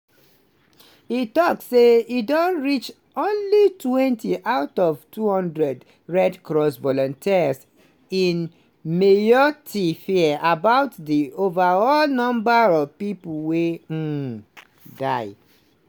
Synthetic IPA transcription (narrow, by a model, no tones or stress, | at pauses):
itɔkssːeidɔ̃nɹit͡ʃ | õnlitwɛ̃ntiʔaʊtɔvtuhɔ̃ndɹɛd | ɹɛdkɹɔsvɔlɔ̃ntʰis | ĩn | mejɔtʰifiʔabaʊtdiovaɔlnɔ̃mbaɹɔvpipuwẽ | daɪ